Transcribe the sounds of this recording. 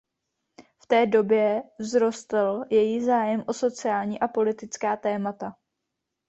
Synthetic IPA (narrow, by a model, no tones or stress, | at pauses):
ft̪ɛːdo̞bjɛvzɾo̞st̪l̩jɛjizaːjɛmʔo̞so̞t͡sɪaːlɲiːʔapo̞lɪt̪ɪt͡skaːt̪ɛːmat̪a